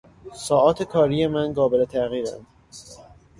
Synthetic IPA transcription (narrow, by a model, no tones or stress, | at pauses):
sɒːʔɒːt̪ʰekʰɒːɾije̞mænɡɒːbe̞let̪ʰæɣiːɾæ̰nd̪̥